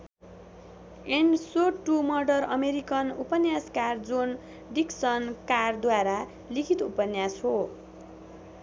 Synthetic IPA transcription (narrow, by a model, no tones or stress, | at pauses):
eɳsoʈumʌrɖʌrʌmeɾikʌnupʌnjaskard͡zun | ɖiksʌnkard̪waɾa | likʰit̪upʌnjasɦo